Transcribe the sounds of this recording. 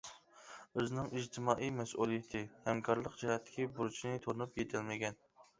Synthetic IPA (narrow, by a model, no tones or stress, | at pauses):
øznɪŋid͡ʒt̪ʰɪmɑʔijmɛsʔulˠijɪt̪ʰɪhɛmkʰɑɾlˠəqd͡ʒɛhɛt̪ʰːɪ̥kʲibuɾut͡ʃʰinɪt̪ʰoɾnupjet̪ʰɪlmɪɡʲɛn